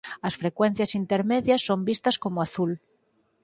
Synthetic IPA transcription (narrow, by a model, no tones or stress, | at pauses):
ɐsfɾekwen̟θjasint̪eɾmeðjasːombist̪ɐskomoaθul